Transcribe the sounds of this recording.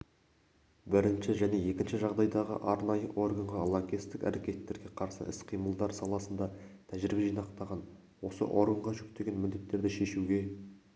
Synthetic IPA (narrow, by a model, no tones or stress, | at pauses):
bɪɾɪnʃɪʒæne̞je̞kʲɪnʃɪʒɑʁd̪ɑjd̪ɑʁə̰ʔɑɾnɑjəʔo̞rɡɑɴʁɑlˠaŋɡʲist̪ɪkæ̰ɾe̞kʲe̞t̪ːe̞ɾɡʲe̞qʰɑɾsə̰ʔɪ̰sqʰijməlˠd̪ɑɾsɑlˠɑsənd̪ɑt̪ʰæʒɪɾɪbeʒijnɑqt̪ɑʁɑn | wo̞sə̰ʔo̞ɾɡəɴʁɑʒʏk̚t̪e̞ɡʲe̞nmɪd̪d̪e̞t̪ːe̞ɾd̪ɪʃe̞ʃuɡʲe̞